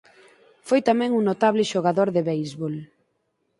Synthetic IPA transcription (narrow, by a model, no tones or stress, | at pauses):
fojt̪amɛ̃ŋuŋnot̪aβlɪʃoɣaðoɾðɪβejzβol